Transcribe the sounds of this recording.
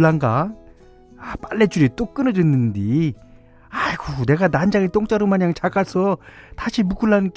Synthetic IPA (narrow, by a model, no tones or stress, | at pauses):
ɭːaŋɡa | ap͈aɭːet͡ɕuɾit͈ok͈ɯnʌdwenːɯndi | ajkune̞ɡanand͡ʑaŋet͈oŋt͡ɕ͈aɾomaɲaŋt͡ɕaɡasʰʌtaɕʰimuɡ͈uɭːank͈